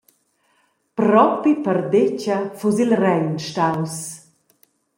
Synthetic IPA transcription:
pɾɔpipəɾd̪et͡ʃɐfuzilrɛjnʃtaws

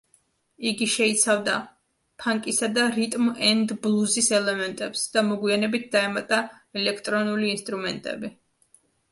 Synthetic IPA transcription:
iɡiʃɛit̪sʰavd̪a | pʰaŋkʼisad̪aɾit̪ʼmɛnd̪blˠuzisɛlɛmɛnt̪ʼɛpsd̪̥amɔɡwianɛbit̪̚ʰd̪aɛmat̪ʼaɛlɛkʰt̪ʼɾɔnuliːnst̪ʼɾumɛnt̪ʼɛ̰bi

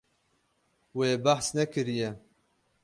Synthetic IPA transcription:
weːbaħsnɛkɨɾijɛ

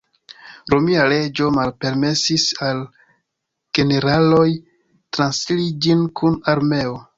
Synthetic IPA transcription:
ɾomiale̞d͡ʒo̞malpe̞ɾme̞sisal | ɡ̥e̞ne̞ɾalo̞j | tɾanslid͡ʒinkʰunaɾme̞o̞

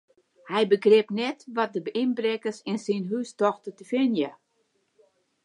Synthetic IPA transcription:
hɛjbəɡrɪpnɛtʋɔt̚dəbəʔinbrɛkəsɪnsinɦystɔxtətəfɪnjə

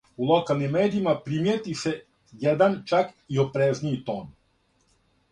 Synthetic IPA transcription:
ulˠokalˠnimːeːd̪iimapɾimjet̪ise | jed̪ant͡ʃak | iopɾezniit̪oːn

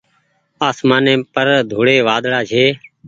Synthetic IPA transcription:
aːsmaːnẽːpəɾd̪ʱoːɽeːʋaːd̪ɽaːd͡ʒʱeː

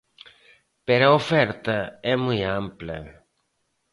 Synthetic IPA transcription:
peɾɐofɛɾt̪ɐɛmujãmplɐ̰

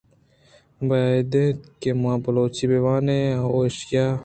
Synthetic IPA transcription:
baid̪et̪kemãːbɐloːt͡ɕibewaːneoɕjaː

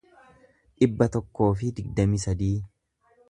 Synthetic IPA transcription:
ᶑɪbːɐt̪ɔkːo̞ːfɪd̪ɪɡd̪ɐmisɐd̪iː

